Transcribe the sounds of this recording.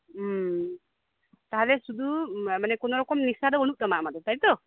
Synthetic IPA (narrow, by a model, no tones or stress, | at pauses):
m | t̪aɦalɛsud̪ʱumanɛkɔnɔɾɔkɔmnisad̪ɔbɔñuk̚ɗ̪amaʔmad̪ɔt̪aɦit̪ɔ